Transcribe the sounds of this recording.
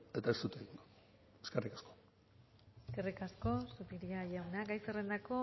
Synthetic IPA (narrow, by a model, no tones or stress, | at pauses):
e̞t̪aest̪ut̪eɡo | eskerikḁsko | eske̞rikasko̞supiɾiaʝawnaɡajsere̞nd̪ako̞